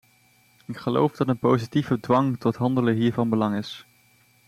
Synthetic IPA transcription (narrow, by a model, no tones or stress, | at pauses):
ɪkχəlo̰wvd̥ɑtənpowzitivədʋɑŋtɔtɦɑndələɦiːɹvɑnbəlɑŋɪs